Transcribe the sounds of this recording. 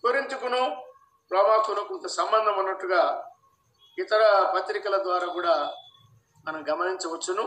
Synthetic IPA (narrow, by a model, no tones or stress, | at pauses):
kuɾint̪ukunu | pɾɐːmaːt̪unukont̪ɐsɐmbɐnd̪ʱɐmunːɐʈːuɡaː | it̪ɐɾɐpɐt̪ɾikɐlɐd̪ʋaːɾaːkuːɽaː | mɐnɐmɡɐmɐniɲt͡ʃɐʋɐt͡ʃːunu